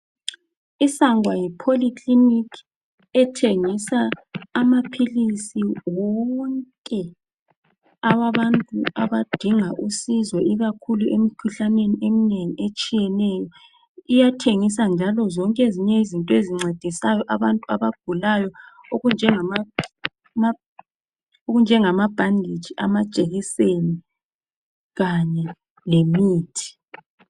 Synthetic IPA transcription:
isaŋwajipʰolikʰlinikʰ | ɛtʰeŋisaːmapʰilisiwɔŋkʼɛ | aβaβantʼuaβad̥ʱiŋaʔusizwɛʔiɣakʰuluem̩kʰuɬaneniemineŋiet͡ʃʼijɛnɛːjɔ | ijatʰeŋis̬and͡ʒʱalɔzɔŋkʼeziɲɛizintʼɔeziŋ͡ǀʱed̥ʱisajɔʔaβantʼua̰βaɡ̥ʱulajɔ | oɣund͡ʒʱɛŋa | m | oɣund͡ʒʱɛŋamab̥ʱandʱid̥ʒ̥ʱʼiʔa̰mad̥ʒ̥ʼʱeɣiseni | ɣaɲɛ | lemiːtʰi̥

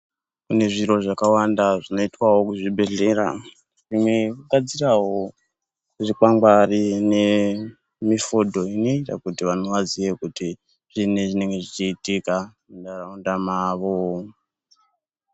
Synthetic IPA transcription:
kune̞ʐiɾo̞ʐakawandaʐino̞itwawo̞kuʐibʱe̞ɮe̞ɾa̰ | ʐimwekuɡʱad͡ziraɦo̞ | uʐikaŋɡarine̞ | mifodʱo̞ino̞ita̰kutiʋano̞ʋazije̞kuti | ʐ̥ineʐine̞ŋɡe̞ʐit͡ʃiːtika | ndaraundamaːʋo

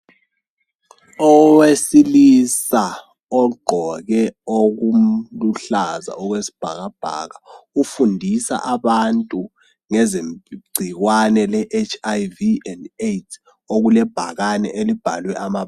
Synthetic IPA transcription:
ɔwesilisa | ɔɡ͡ǃʱɔk̬ɛok̬umluɬaza̰ɔk̬wesi̥b̥ʱak̬ab̥ʱa̰k̬aufundʱisa̰ʔaɓantʼu | ŋɛzeɡ͡ǀʱik̬wanɛlɛʔet͡ʃʰajviɛndetʰ | ok̬ulɛb̥ʱak̬anɛʔelib̥ʱa̰lwɛʔama

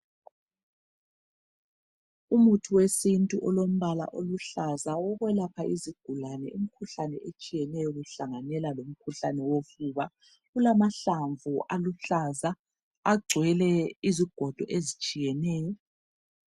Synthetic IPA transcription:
umutʰuwesintʼuʔɔlom̩βala̰ʔoluɬazaɔɣwɛlapʰaʔiziɡ̥ʱulanɛ̰im̩kʰuɬanɛʔet͡ʃʼijɛnɛjɔɣuɬaŋanɛlalom̩kʰuɬanɛwofuβa | ulamaɬaɱvuʔaluɬaza | aɡ͡ǀʱwɛlɛiziɡ̥ʱɔd̥ʱɔʔezit͡ʃʼijɛnɛːjɔ

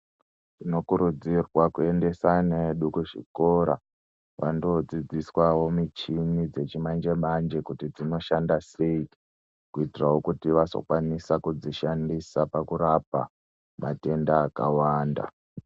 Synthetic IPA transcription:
tino̞kuɾud͡zirwakue̞nde̞sane̞ɗukuʐḭko̞ɾa̰ | ʋando̞d͡zid͡ziswawo̞mit͡ʃimid͡ze̞t͡ʃimand͡ʒe̞mand͡ʒe̞kutid͡zino̞ʃandase̞i | kuitirawokutiʋaso̞̰kwanisakud͡ziʃandisapakuɾapa̰ | mate̞ndaːkawaːnda̰

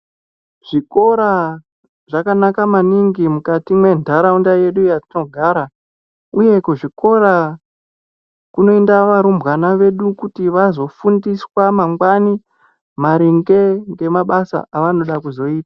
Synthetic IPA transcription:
ʐ̥iko̞ɾa | ʐakanakamaniŋɡimukatimwe̞ndaɾaundaje̞ɗujanoɡʱaːɾa | uje̞kuʐiko̞ɾa | kuno̞endaʋaɾumbwanaʋe̞ɗukutiʋazo̞fundiswamaŋɡwani | maɾiŋɡe̞ŋɡe̞maɓasa̰ʔaʋano̞ɗakuzo̞iːtḁ

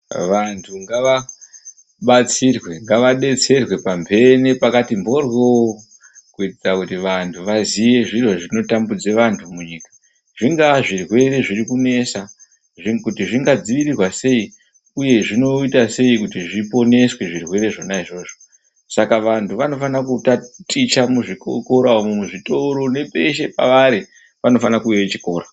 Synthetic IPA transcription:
ʋantʰuŋɡaʋa | ɓat͡sirwe̞ŋɡaʋaɗe̞t͡se̞rwe̞pambʱe̞nipakatimbo̞rwo | kuitid͡zakutiʋantʰuʋazije̞ʐiroʐino̞tambud͡ze̞ʋantʰumuɲiːkḁ | ʐ̥iŋɡaʐirwe̞re̞ʐirikune̞sa | ʐikutiʐiŋɡad͡ziʋirirwase̞i | uje̞ʐino̞itase̞ikutiʐipo̞ne̞swe̞ʐirwe̞ɾe̞ʐonaiʐo̞ʐo | sakaʋantʰuʋano̞fanakutatʼit͡ʃamuʐikoko̞ɾaomumuʐito̞ɾo̞ne̞pʼe̞ʃe̞pa̰ʋaɾi | ʋano̞fanakujeet͡ʃiko̞ːɾa

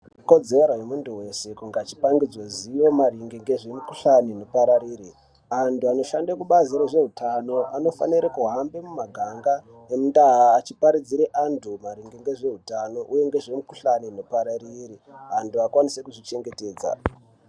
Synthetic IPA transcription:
ko̞d͡zeɾoɦemuntuwe̞se̞kuŋɡat͡ʃi̥paŋɡid͡zwoziwo̞maɾiŋɡeŋɡe̞ʐe̞mukuɬaninopaɾaɾiːɾi | antuano̞ʃandakuɓaziɾoʐe̞ɦutʰano̞ʔano̞fa̰niɾekuɦambe̞mumaɡʱaŋɡa | emndaɦaːt͡ʃipaɾid͡ziɾeʔantʰumaɾiŋɡeŋɡe̞ʐe̞ɦutano̞ʔuje̞ŋɡe̞ʐemukuɬaninopaɾaririantuakwanise̞kuʐit͡ʃe̞ŋɡe̞te̞ːd͡za̰

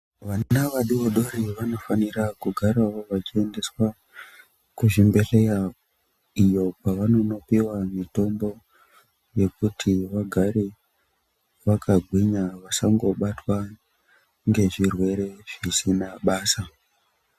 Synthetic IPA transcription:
ʋanaʋaɗuoɗo̞ɾiʋano̞fanirakuɡʱaɾawoʋat͡ʃie̞nde̞swa | kuʐimbe̞ɬe̞ja | ijo̞paʋano̞no̞piwamito̞mbo̞ | je̞kutʰiʋaɡʱaɾe | ʋakʰaɡʱwiɲaʋasaŋɡo̞ɓatwa | ŋɡe̞ʐirwe̞ɾe̞ʐ̥isinaɓaːsa

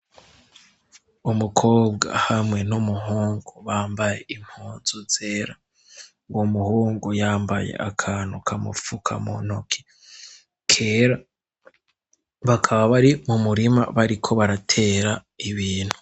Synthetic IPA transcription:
umukʰo̞ːbɡa̰hamŋe̞numuɦuːŋɡuβaːmbaje̞im̥huːnzuz̥e̞ɾa | ŋɡomuhuːŋɡujaːmbajḛʔa̰kʰaːn̥hukʰamṵfukʰa̰mo̰nokʰi̥ | kʰe̞ːɾa | βakʰaβaβaɾimumuɾima̰βaɾikʰo̞βaɾatʰe̞ːɾa | iβiːn̥hu̥

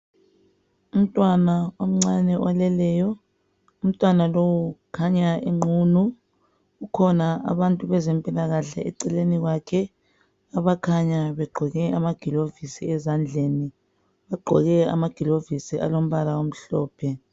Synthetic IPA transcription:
um̩tʼwanawom̩ŋ͡ǀanɛɔalɛlɛjɔ | um̩tʼwanalowukʰaɲaeŋ͡ǃuːnu | ukʰɔnaa̰βantʼuβɛzɛmpʼilaɣaɬɛ̰ʔɛ̰ǀɛleniɣwakʰɛ | aβakʰaɲaβɛɡ͡ǃʱɔɣɛʔamaɡ̥ʱilovisiɛzand͡ɮʱeːni | βaɡ͡ǃʱɔɣɛa̰maɡ̥ʱilovisiʔa̰lom̩βalaom̩ɬɔːpʰɛ

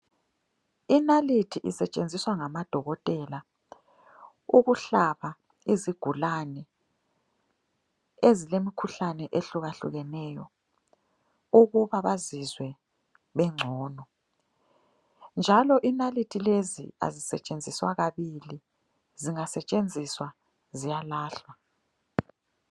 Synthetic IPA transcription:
inalitʰiʔḭsɛt͡ʃʼend͡zʱiswaŋamad̥ʱɔɣɔtʼɛla | uɣuɬaβa | iziɡ̥ʱulanɛ | ezilemikʰuɬanɛʔeɬuɣaɬṵɣɛnɛːjɔ̰ | uɣuβaβazizwɛ | βɛŋ͡ǀʱɔːnɔ | nd͡ʒʱalɔʔinalitʼʰilezḭa̰zisɛ̰t͡ʃʼend͡zʱiswa̰ɣaβili | ziŋasɛt͡ʃʼend͡zʱiswa | zijalaːɬwa

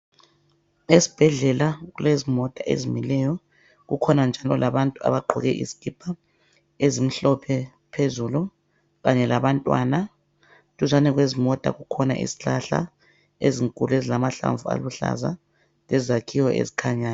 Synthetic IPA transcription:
esi̥b̥ʱɛɮɛlaɣulezimɔtʼaʔḛzimilɛjɔ | ɣukʰɔnand͡ʒʱalɔlʔaβantʼua̰βaɡ͡ǃʱɔ̰ɣɛʔḭzi̥ɡ̥ʱib̥ʱa | ezim̩ɬɔpʰɛ | pʰezulu | ɣaɲɛlaβantʼwa̰na | tʼuzanɛɣwezimɔtʼa̰ɣukʰɔna̰ʔḭzi̥ɬaɬa̰ | eziŋkʼuluezilamaɬa̰ɱvua̰luɬa̰za̰ | lɛzakʰiwɔʔḛzikʰaɲaːna

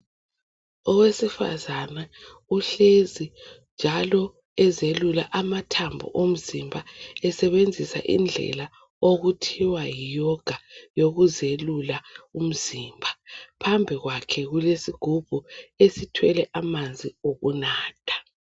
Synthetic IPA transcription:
ɔwesifa̰zana | uɬezind͡ʒʱalɔ | ɛzelulaʔamatʰambʱṵʔom̩zimbʱaɛsɛβend͡zʱisa̰ʔḭnd͡ɮʱɛ̰la | oɣutʰiwajijɔɡ̥ʱajoɣuzelulaum̩ziːmbʱapʰambʱiɣwakʰɛɣulesiɡ̥ʱub̥ʱuesitʰwɛlɛʔamand͡zʱioɣunaːtʰḁ

